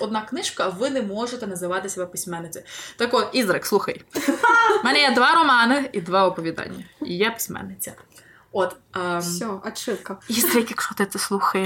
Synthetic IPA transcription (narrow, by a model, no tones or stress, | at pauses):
ɔd̪̚nɑknɪʃkɐʋɪnɛmɔʒet̪ɛnɐzɪʋɑt̪ɪsʲɛbɛpɪsʲmɛnːɪt͡sʲɪt̪ɐkɔt̪izɾɐkslˠuxɐj | mɛnɛjɛd̪ʋɑɾɔmɑnɪid̪ʋɑɔpɔʋʲid̪ɑ̰nʲːɐḭjɛpɪ̥sʲmɛ̰nːɪt͡sʲɐ | ɔt̪ː | sʲɔɐt͡ʃɪkɐiɾjkʲikʃɔt̪ɪt̪ɛslˠuxɐjɛ